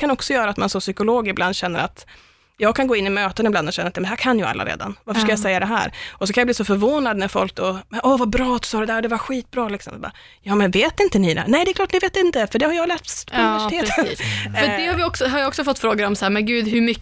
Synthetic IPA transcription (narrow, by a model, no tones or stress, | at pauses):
kʰanɔksɔjœːɾat̪mansɔmsʏkʊloːɡɪbland̪ɕɛnːə̰ɾat̪ | jɑːɡ̚kʰanɡoːɪnːɪmøːt̪ənɪbland̪ɔɕɛnːəɾat̪jmd̪hæɾkʰanːjɵa̰lːa̰ɾḛːd̪a̰nvaɾfəʂkajasɛjːad̪ɛɦæ̰ːɾɔsɔkʰanjabliːsɔfœɾvoːnad̪næɾfɔ̰lk̚d̪ɔmɛnʔɔvabɾɑːt̪sɔːɾɛd̪æːɾɔd̪ɛvaɾɧiːt̪̚bɾɑːlɪksɔ̰mba̰ | jɑːmɛnveːt̪ɪnt̪ənɪd̪æ̰nɛɪd̪ɛklɑːʈnɪveːt̪ɪnt̪əfœɖɛhaɾjɑːlæːsnɪvɛʂɪt̪ʰeːt̪ːœd̪ɛhaɾvɪɔksɔɦaɾjaɔksɔfɔt̪ːfɾoːɡəɾɔmsahæːɾmɛnɡʉ̟ːd̪hɵmʏ